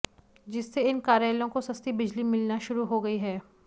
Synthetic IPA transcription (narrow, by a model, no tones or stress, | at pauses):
d͡ʒɪsːeɪnkaːɾjaːlõkosɐst̪ibɪd͡ʒlimɪlnaʃʊɾuɦoɡɐiɦɛː